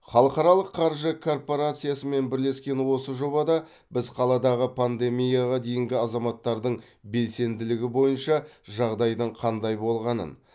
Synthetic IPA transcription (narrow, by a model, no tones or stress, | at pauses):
χɑlˠəqɑɾɑlˠəqʰːɑɾʒəkʰo̞rpo̞ɾat̪sɨjasəme̞nbɪɾle̞skʲe̞nwo̞səʒo̞bɑd̪ɑ | bɪzqʰɑlˠɑd̪ɑʁəpʰand̪e̞mijaʁɑd̪e̞jɪŋɡʲɪɑzɑmɑt̪ːɑɾd̪əɴ | be̞lse̞nd̪ɪlɪɡʲɪbo̞jənʃɑʒɑʁd̪ɑjd̪əɴqʰɑnd̪ɑjbo̞lˠʁɑnə̰n